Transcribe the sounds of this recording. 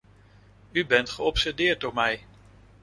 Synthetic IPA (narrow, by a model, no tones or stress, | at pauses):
ybɛntχəɔpsɛɹdɪːɹt̚dɔɹmɛj